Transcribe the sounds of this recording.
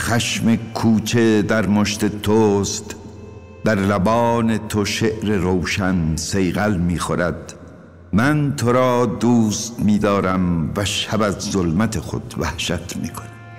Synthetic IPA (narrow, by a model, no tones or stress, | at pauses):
xæʃmekʰuːt͡ʃʰed̪æɾmoʃt̪et̪ʰoːst̪ | d̪æɾlæbɒːnet̪ʰoʃeʔɾeɾowʃænsejɣælmiːxoɾæd̪̚ | mænt̪ʰoɾɒːd̪uːst̪miːd̪ɒːɾæmvæʃæbæzːolmæt̪ʰexo̰d̪væhʃæt̪miːkʰoni̥